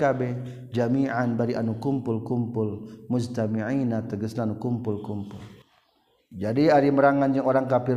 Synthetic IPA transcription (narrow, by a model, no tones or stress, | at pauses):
abɛ | d͡ʒamiʕanbaɾiʔanukumpʊlkumpʊlmʊd͡ʒt̪amiʕinat̪əɡəsnanukumpʊlkumpʊl | d͡ʒadiaɾiməɾaŋand͡ʒaŋoɾaŋkapɪ